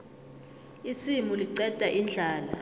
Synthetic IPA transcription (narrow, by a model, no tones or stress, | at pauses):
isimuliǀɛtʼaʔind͡ɮʱaːla